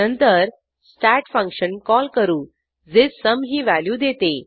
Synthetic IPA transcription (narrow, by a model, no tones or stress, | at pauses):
ənt̪əɾ | sʈæʈfə̃ŋkɕənkɔlkəɾuː | d͡zesəmɦiːʋæljuːd̪et̪e